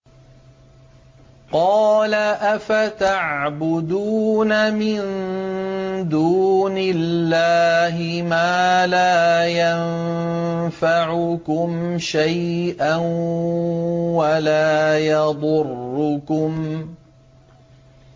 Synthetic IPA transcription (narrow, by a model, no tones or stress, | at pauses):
qɑːlaʔafat̪aʕʕbʊd̪uːnamɪn | d̪uːnɪlːaːɦɪ | maːlaːjan | faʕʊkʊmʃajʔan | walaːjɑd̪ˤʊrːʊkʊm